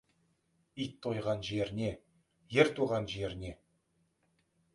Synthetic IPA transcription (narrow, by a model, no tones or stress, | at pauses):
ijt̪ʰːo̞jʁɑnʒeɾɪne̞ | jeɾt̪uʁɑnʒeɾɪne̞